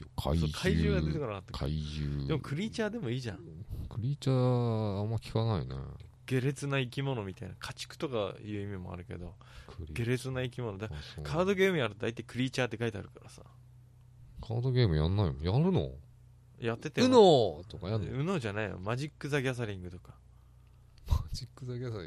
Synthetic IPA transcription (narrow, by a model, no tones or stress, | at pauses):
kʰaisokʰaiʑɨːɡae̞t̪e̞koɾanat̪ːḁkʰa̰iʑɨːd̪e̞mokʰɯ̟ɾʲiːt͡ɕaːd̪e̞mo̞iːʑã̰kɯ̟ɾʲiːt͡ɕaːamːakʲi̥kanaḭnḛɡ̥e̞ɾe̞t͡sɨnaikʲimo̞no̞mʲit̪ainakʰat͡ɕi̥kɯ̟̥t̪o̞ka̰jɯ̟ːimʲimo̞̰a̰ɾɯ̟ke̞̰d̪o̞ | ɡ̥e̞ɾe̞t͡sɨnaikʲimo̞nod̪akʰaːd̪o̞ɡe̞ːmɯ̟jaɾɯt̪od̪ait̪ːai̥kɯ̟ɾʲiːt͡ɕaːt̪ːe̞kait̪ea̰ɾɯ̟kaɾasa̰ | kʰaːd̪o̞ɡʲe̞ːmɯ̟ja̰nːaimõjaɾɯ̟no̰ | jat̪ːe̞t̪eɯnot̪okajaɯ̟no̞ːʑanaio̰maʑikːɯ̟zaɡʲas̬aɾʲĩŋɡɯ̟t̪o̞kḁ | mad͡ʑikːɯzaɡʲaa